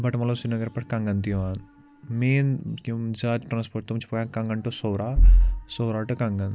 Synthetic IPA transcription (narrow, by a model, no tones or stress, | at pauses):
bʱɐʈɐmɐlosinɐɡɐɾpɐʈkɐŋɡɐnt̪ijʋaːn | meːnkumd͡ʒaːd̪ʈɾaːnspoɾʈ̚t̪umt͡ʃʰi̥pɐjankɐŋɡɐɳʈosoːɾaːsowɾaːʈɨkɐŋɡɐn